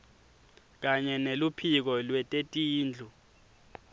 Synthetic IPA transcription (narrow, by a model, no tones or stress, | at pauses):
k̬aɲɛnelupʰik̬ɔlwɛtʼetʼiːnd͡ɮʱu